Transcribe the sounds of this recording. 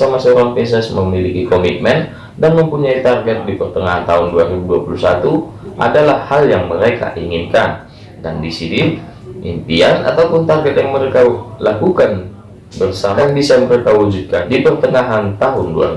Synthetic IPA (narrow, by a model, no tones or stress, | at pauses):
samasəoɾaŋpes̬ɛsməmilikikomit̪̚mɛn | danməmpuɲait̪arɡɛt̪̚dipərt̪əŋaɦant̪aɦʊnduaɾibuduapulusat̪uʔa̰dalahhːaljaŋməɾeka̰ʔiŋinkan | dandisiniʔḭnt̪iana̰t̪awpʊnt̪arɡɛt̪̚jaŋməɾekalakukan | bərsamajŋbisaməɾekawud͡ʒud̚kandipərt̪əŋaɦant̪aɦʊndua̰i